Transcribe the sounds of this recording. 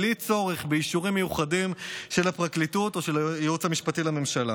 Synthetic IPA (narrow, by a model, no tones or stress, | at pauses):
lit͡so̞ʁeχbeiʃuʁimːejuχadimʃe̞lhapʁaklituto̞ʃelajeut͡shamiʃpatilame̞mʃala